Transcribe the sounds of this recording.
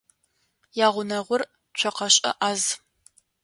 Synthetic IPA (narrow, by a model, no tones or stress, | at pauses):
jaːʁʷʊnɐʁʷʊr | t͡ʃʷʰɔqɐɕʼɐ̰ʔaːz